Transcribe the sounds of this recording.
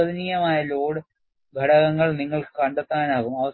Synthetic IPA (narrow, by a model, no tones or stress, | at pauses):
ɐðiniːjɐmaːjɐloːɽɨ | ɡʱɐɽɐɣɐŋːɐɭniŋːɐɭkɨ̥kɐɳɖɐt̪ːaːnaːɣumɐʋɐs